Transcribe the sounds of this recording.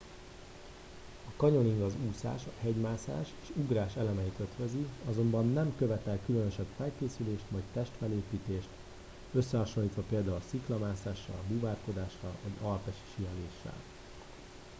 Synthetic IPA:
ɒkɒɲo̞niŋɡɒzuːsa̰ːʃɒhɛɟmaːsa̰ːʃeːʃuɡraːʃɛlɛmɛit̪øt̪ʋøziɒzo̞mbɒnːɛmkø̞vɛt̪ɛlkylønøʃɛb̥fɛlkeːsyleːʃt̪ʋɒjct̪ɛʃt̪fɛleːpiːt̪eːʃt̪ | øsːɛɦɒʃo̞nlːiːt̪ʋɒpeːld̪aːulsiklɒmaːsaːʃːɒ̰lbuvaːrko̞d̪aːʃrɒ̰lvɒɟɒlpɛʃi̥ʃijɛleːʃːɛ̰l

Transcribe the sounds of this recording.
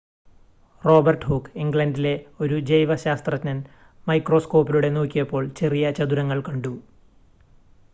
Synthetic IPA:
ro̞ːbɐrʈhoːkːiŋɡɭɐndile̞o̞ɾud͡ʑejʋɐɕaːst̪rɐt̪ːnɐn | mɐjkro̞ːsko̞ːpiluɽe̞noːkʲːijɐpːo̞ːɭt͡ɕe̞rijɐt͡ɕɐd̪uɾɐŋːɐɭkɐɳɖu

